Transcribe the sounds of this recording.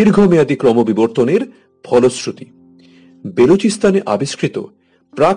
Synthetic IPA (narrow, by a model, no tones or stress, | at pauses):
iɾɡʱomead̪ikɾɔmobiboɾt̪oneɾ | bʰʱɔlosɾut̪i | belot͡ɕist̪aneʔa̰biʃkɾit̪o̰ | pɾa